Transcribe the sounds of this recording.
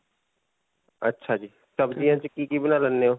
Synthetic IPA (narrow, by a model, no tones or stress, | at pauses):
ɐ̰tːʃʰad͡ʒiː | sɐbd͡ʒiɦɛ̃t͡ʃɪkːikibɪnalɐnːeɦoː